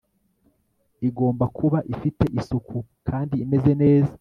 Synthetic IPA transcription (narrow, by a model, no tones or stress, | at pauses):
iɡo̞ːmbakʰuβaʔifite̞ʔisukʰukʰaːndiːme̞ze̞ne̞ːzḁ